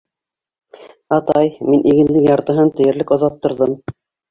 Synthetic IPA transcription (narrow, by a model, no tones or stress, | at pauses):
ɑt̪ɑjminʔiɡɘ̆nlɘkjɑɾt̪ɤ̆ɦɤnt̪ɘ̆jɘ̆ɾlɘkŏðɑp̚t̪ɤ̆ɾðɤm